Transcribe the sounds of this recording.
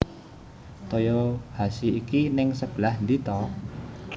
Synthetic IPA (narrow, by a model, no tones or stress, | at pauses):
t̪ojɔhasiːkinɪŋsəb̥əlahnd̪it̪ɔ